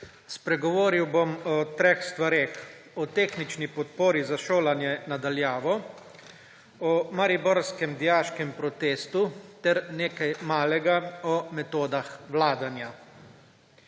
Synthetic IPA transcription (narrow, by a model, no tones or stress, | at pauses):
spɾɛɡɔʋoːɾiwbomɔt̪ɾexst̪ʋaɾeːx | ɔt̪eːxnit͡ʃnipɔt̪̚poːɾizaʃoːlanjɛnad̪aljaːʋɔ | ɔmaɾibɔɾskɛmd̪ijaːʃkɛmpɾɔt̪eːst̪ut̪ɛɾneːkajmaːlɛɡaɔmɛt̪oːd̪axʋlaːd̪anja